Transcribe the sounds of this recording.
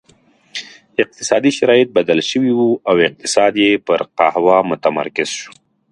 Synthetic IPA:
ɪq̚t̪ɪ̥sɑd̪iʃaɾɑjɪt̪̚bad̪alʃəwiwuawɪq̚t̪ɪsɑːd̪jepəɾqahwɑmʊt̪ama̰ɾkɪz̥ʃu̥

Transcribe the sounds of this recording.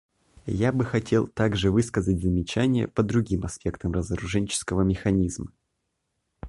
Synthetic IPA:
jabɨxɐtʲe̞lˠt̪aɡʐɨvɨskəzətʲzəmʲɪt͡ɕænʲɪjə̰pəd̪ɾʊɡʲimɐspʲe̞kt̪əmrəzəɾʊʐɛnʲt͡ɕɪ̥skəvəmʲɪxɐnʲizmə

